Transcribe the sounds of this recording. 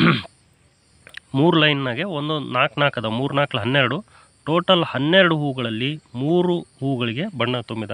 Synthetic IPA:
muːɾulɐjnːaːɡeond̪unaːknaːkɐd̪ɐmuːɾunaːkɐlɐɦɐnːɛɾɐɽu | ʈoːʈɐlhɐnːeɾɐɽuɦuːɡɐɭɐlːimuːɾuhuːɡɐɭiɡe̞bɐɳːɐt̪umbid̪ɐ

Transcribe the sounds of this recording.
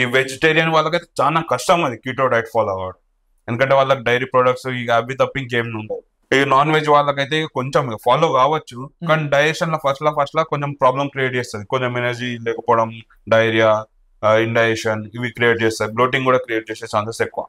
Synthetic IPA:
iːʋed͡ʒeʈeːɾijɐnʋaːɭːɐkɐjt̪eːt͡ʃaːnaːkɐʂʈɐmɐnd̪ikjiːʈoːɖɐjʈpʰaːloːɡaːɽɐ | end̪kɐɳʈ̬eːʋaːɭːɐkiɖɐjɾipɾoːɖɐk̚ʈsiːɐbit̪̬ɐpːiŋɡɡeːmnuɳɖaːdi | inaːnʋe̞ːd͡ʒʋaːɭːɐkɐjt̪̬eko̞ɲt͡ʃempʰaːlo̞ːkaːʋɐt͡ʃːukaːniɖɐjɾekʂɐnlɐːpʰɐsʈlaːpʰɐsʈlaːkoɲt͡ʃempɾaːblɐmkɾieʈ̚t͡ʃɛːst̪ɐd̪ikoɲt͡ʃemenɐɾd͡ʒilɛːkɐpɔːɽɐm | ɖɐjɾijaː | iɳɖɐjeːʂɐniʋikɾijeːʈ̚t͡ʃɛːst̪aːd̪ibloːʈ̬iŋkuːɽaːkɾijeːʈ̚t͡ʃɛːset͡ʃaːnt̪ɐsekːuʋa̰ː

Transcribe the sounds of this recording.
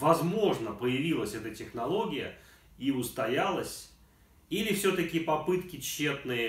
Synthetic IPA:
vɐzmo̞ʐnəpəjɪvʲilˠəsʲɛt̪ətʲɪxnɐlˠo̞ɡʲɪjə̰ | iʊst̪ɐjalˠəsʲ | ilʲɪfsʲɵt̪əkʲɪpɐpɨt̪kʲɪt͡ɕːe̞t̪nɨjə

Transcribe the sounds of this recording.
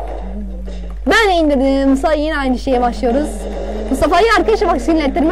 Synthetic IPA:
bænejind̪ed̪imusaajeniajnɯʃejɛbaʃlˠɯjo̞ɾuz̥ | must̪afaːjɯaɾkad̪aʃabaksinilʲet̪ʰːiɾm

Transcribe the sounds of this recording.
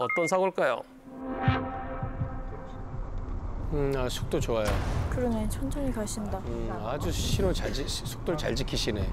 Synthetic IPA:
ʌt͈ʌnsʰaɡoɭk͈ajo̰ | ɯasʰu̥k̚t͈ot͡ɕoajokɯɾʌnet͡ɕʰʌnt͡ɕʰʌŋikaɕʰindaɯad͡ʑuɕʰiɾot͡ɕad͡ʑisʰu̥k̚t͈oɭt͡ɕa̰ɭt͡ɕikʰiɕʰine

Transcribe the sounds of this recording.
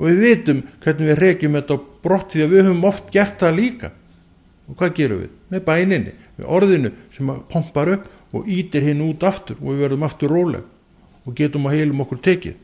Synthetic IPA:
ɔ̰vɪðvɪːt̪ʏmkʰɛɾt̪nɪvɪðr̥ɛːcɪmɛt̪awpɾɔht̪iavɪðhʏːvʏmɔft̪cɛr̥t̪aðliːka̰ | ɔɣkʰvaːðcɛːɾʏ̰vɪ̰ðmɛðpaːjnɪnːɪ̰mɛ̰ðʔɔɾðɪnʏsɛmapʰɔm̥paɾʏhp | ɔ̰ɣiːt̪ɪɾ̥hɪnːʏuːt̪aft̪ʏɾɔ̰ɣvɪðvɛɾðʏmaft̪ʏɾːoːwlɛ̰ɣ | ɔɣcɛːt̪ʏmaheːjlʏmɔhkʏɾ̥t̪ʰɛːcɪ̰ð

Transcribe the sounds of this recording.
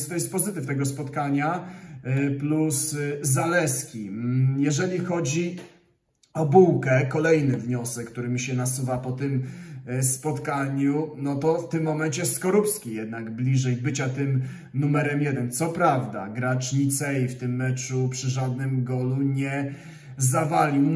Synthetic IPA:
st̪ɔjɛst̪̚pɔzɘt̪ɘft̪ɛɡɔspɔt̪kaɲa | pluszalɛskʲijɛʐɛlʲixɔd͡ʑi | ɔbuwkɛkɔlɛjnɘvɲɔsɛkːt̪uɾɘmʲiɕɛnasuvapɔt̪ɘmspɔt̪kaɲunɔt̪ɔft̪ɘmːɔmɛnt͡ɕɛjst̪kɔɾupskʲijɛd̪naɡblʲiʐɛjbɘt͡ɕat̪ɘm | numɛɾɛmjɛd̪ɛnt̪sɔpɾavd̪a̰ɡɾat͡ʂɲit̪sɛift̪ɘmːɛt͡ʂupʂɘʐad̪nɘmɡɔluɲɛ | zavalʲiw

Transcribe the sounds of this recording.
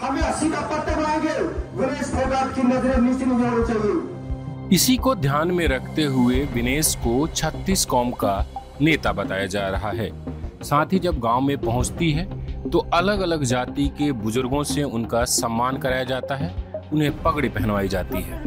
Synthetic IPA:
hɐmẽɐsĩkapɐt̪ːəbaẽɡeːʋɪneːsmebaːt̪̚kinɐzɾeniːsimẽd͡ʒaːnat͡ʃaːɦie | ɪsikod̪ʱjaːnmẽɾɐkʰt̪eɦʊeʋɪneːskot͡ʃʰɐt̪ːiːskɔːmka | neːt̪abɐt̪aːjad͡ʒaːɾɐɦaɦɛːsaːt̪ʰid͡ʒɐb̚ɡãːomẽpɐɦʊ̃t͡ʃt̪iɦɛːt̪oɐləɡɐləɡd͡ʒaːt̪ikebʊzʊɾɡõseʊnkasɐmːaːnkɐɾaːjad͡ʒaːt̪aɦɛːʊnɦẽpɐɡɽipɛɦɛnʋaːid͡ʒaːt̪iɦɛ̰ː

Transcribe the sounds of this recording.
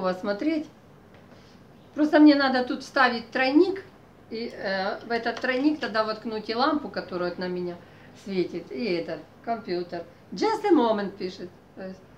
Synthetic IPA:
ʋɐsmɐt̪ɾʲetʲ | pɾost̪əmnʲenad̪ət̪ut̪fst̪aʋʲɪt̚ʲt̪ɾɐjnʲik | ivɛt̪ɐt̪ːɾɐnʲikt̪ɐd̪aʋɐt̪knutʲɪlˠampʊkɐt̪oɾʊjot̪nɐmʲɪnʲa | sʲvʲetʲɪt̪iɛt̪ət̪ | kɐmʲpʲjut̪ər | d͡ʒast̪ɨmomənt̪̚pʲiʂɨt̪ | t̪ojɪsʲ

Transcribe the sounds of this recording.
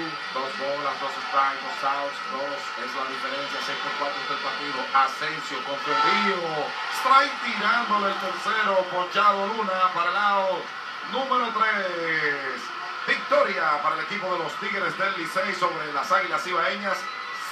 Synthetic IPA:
d̪o̞zβo̞lazd̪o̞sest̪ajd̪osawsd̪os | ezlaðife̞ɾe̞nsjasepokwant̪ost̪eðpaɾt̪iðoʔasensjokoɱfeɾio | st̪ɾajt̪iɾand̪o̞ðelk̪oɾseɾopot͡ʃaβoɾunapaɾalao | nũme̞ɾo̞t̪ɾe | s | bik̚t̪o̞ɾjapaɾaele̞kipo̞ðe̞lo̞st̪iɣeɾezd̪elːisejso̞βɾe̞lasaɣilasiβaeɲas

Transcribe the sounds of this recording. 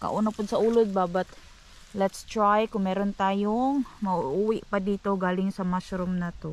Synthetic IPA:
ka̰ʔʊnapʊd̪̚sɐʔuːlʊd̪̚babat̪̚ | lɛt̪st̪ɾajkʊŋmɛːɾont̪aːjoŋmɐʔuwɪʔpad̪iːt̪oɡaːlɪŋsɐmaʃɾʊmnat̪o

